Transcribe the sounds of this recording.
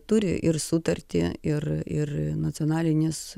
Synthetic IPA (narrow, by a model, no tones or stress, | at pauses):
t̪ʊɾʲɪ̰ʔɪrsʊt̪ɐrʲt̪ʲɪɪrɪrnɐtt͡s̪ʲoːnɑːlʲɪnʲɪs